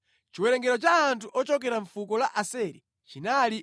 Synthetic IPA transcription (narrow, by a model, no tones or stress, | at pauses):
t͡ʃiwɛɾɛŋɡɛɾɔt͡ʃaːntʰuʔɔt͡ʃɔkɛɾaɱfukɔlaʔasɛɾḭ | t͡ʃinali